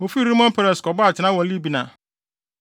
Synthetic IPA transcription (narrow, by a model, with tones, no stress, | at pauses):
o˨fi˦ɾi˦mɔ̃˦npʰɛ˦ɾɛ˨skɔ˨ba˦a˨t͡ɕʰɪ˨nã˦wɔ̃˨˦li˦bi˨nã̰˨